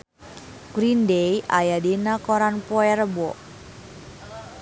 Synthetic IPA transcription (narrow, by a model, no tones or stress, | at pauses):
ɡ̥ɾindejʔa̰jadenakɔɾanpɔɛɾəbɔʔ